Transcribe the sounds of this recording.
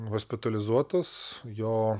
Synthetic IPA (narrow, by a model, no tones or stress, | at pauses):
ɦoːsʲpʲɪt̪ɐlʲɪzuɔt̪ɐsjoː